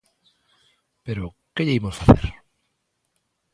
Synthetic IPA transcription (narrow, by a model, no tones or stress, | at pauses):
peɾo | keʎeimosfaθeɾ